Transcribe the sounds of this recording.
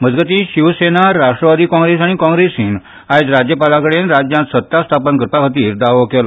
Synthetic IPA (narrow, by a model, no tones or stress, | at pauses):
məd͡zɡət̪iːɕiʋsenaɾaʂʈɾəʋad̪iːkɔ̃ŋɡɾesaɽ̃ikɔ̃ŋɡɾesiːn | ajd͡zɾad͡ʑjəpalakəɽenɾad͡ʑjãt̪sət̪ːast̪ʰapənkɾpakʰət̪iːɾd̪aʋkel